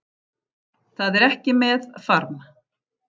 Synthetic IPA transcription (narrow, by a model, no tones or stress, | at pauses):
θaðɛɾɛhcɪmɛðfaɾn